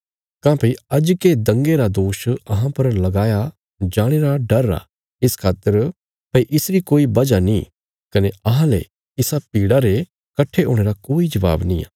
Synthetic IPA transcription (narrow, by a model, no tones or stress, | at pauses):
kãːpɐiɐd͡ʒked̪ɐ̃ŋɡeɾad̪oːʃɐɦãpɐɾlɐɡaːja | d͡ʒaːɽ̃eːɾaɖɐɾːa̰ | ɪskʰaːt̪əɾ | pɐiʔɪsɾikoːibɐd͡ʒanĩ | kɐneɐɦãlɛ̰ | ɪsapiːɽaɾe | kɐʈʰːeoːɽ̃eːɾakoːid͡ʒɐʋa̰ːbnĩːa̰ː